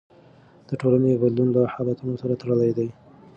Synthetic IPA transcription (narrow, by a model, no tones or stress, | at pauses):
d̪̥əʈolanebad̪lunlahɑlat̪unosaɾat̪aɽəlajd̪aj